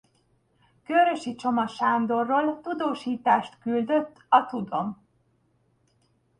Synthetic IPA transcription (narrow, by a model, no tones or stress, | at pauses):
køɾø̞ʃit͡ʃo̞mɒʃaːnd̪o̞rːoːlt̪ud̪oːʃiːt̪aːʃt̪kyld̪øt̪ːɒt̪ud̪o̞m